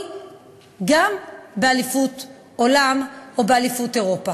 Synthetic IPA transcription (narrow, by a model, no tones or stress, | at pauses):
ɡambealifut | o̞lamobealifute̞ʁo̞pa